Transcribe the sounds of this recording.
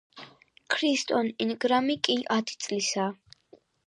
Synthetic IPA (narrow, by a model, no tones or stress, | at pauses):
kʰɾist̪ʼɔninɡɾamikʼiʔat̪ʰi̥t̪sʼlisaː